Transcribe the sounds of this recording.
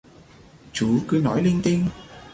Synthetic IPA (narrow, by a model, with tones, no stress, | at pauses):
t͡ɕu˨˦kɨ˧nɔ̰˨˩˦jli˧ŋt̪i˧ŋ